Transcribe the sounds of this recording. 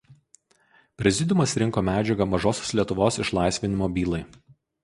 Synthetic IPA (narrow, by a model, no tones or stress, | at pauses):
pʲɾʲɛzʲɪd̪ʲʊmɐsɾʲɪŋˑkoːmʲæːd͡ʒʲɛɡɐmɐʒoːsʲoːslʲiɛt̪ʊʋoːsɪʃlˠɑˑɪsʲʋʲɪnʲɪmoːbʲiːlˠɐɪ